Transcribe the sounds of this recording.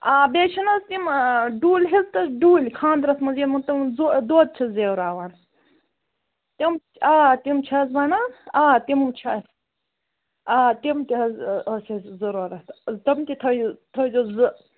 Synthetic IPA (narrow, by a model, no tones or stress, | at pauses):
aːbeːt͡ʃʰinɐst̪imɖuːlʲɦizt̪ɐsɖuːlʲkʰãːnd̪ɾɐsmɐzimɐt̪ɐmzod̪oːd̪̚t͡ʃʰɐzeːwɾaːʋan | t̪im | aːt̪imt͡ʃʰɐsbanaaːt̪immt͡ʃʰɐs | aːt̪imt̪iɦɐzɐsɐszɐɾoːɾɐt̪t̪ɐmt̪it̪ʰɐt̪ʰɐjd̪ozɨ